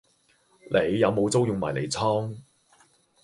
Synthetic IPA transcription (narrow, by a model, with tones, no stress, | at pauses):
lʔe˨˧jːɐ˨˧wmo˨˧wt͡so˥wjʊ˨ŋma̰ː˨˩jlḛ˨˧jt͡sʰɔː˥ŋ